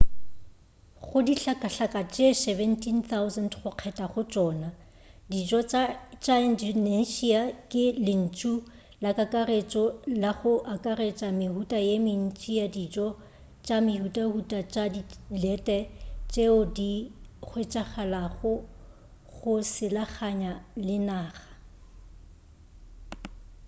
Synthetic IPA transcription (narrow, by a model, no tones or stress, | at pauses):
χʊdiɬakʼaɬakʼat͡ʃʼesɛvɛntʰinθawzɛndχʊq͡χʰɛtʼaχʊt͡ʃʼɔːna | did͡ʒɔt͡ʃat͡ʃʼaɪndɔneʃiakʼɪlɪn̩t͡ʃʼu | lakʼakʼaret͡ʃʼɔlaχʊʔakʼaret͡ʃʼamɪhutʼajemɪn̩t͡ʃʼijadid͡ʒɔ | t͡ʃʼamɪhutʼahutʼat͡ʃʼadilɛtʼɛt͡ʃʼeʊdiχʊɪt͡ʃʼaχalaχʊ | ɣʊsɪlaχaɲalɪnaːχḁ